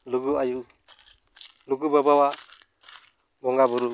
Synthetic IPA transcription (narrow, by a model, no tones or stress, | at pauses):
luɡuaju | luɡubabawa | bɔŋɡabuɾu